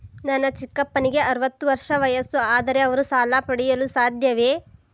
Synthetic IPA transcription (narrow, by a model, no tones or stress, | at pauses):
nɐnːɐt͡ʃikːɐpːɐniɡe̞ʔɐɾuʋɐt̪ːuʋɐɾʂɐʋɐjɐsuaːd̪ɐɾe̞ɐʋɐɾusaːlaːpɐɽɛjɐlusaːd̪ʱjɐʋeː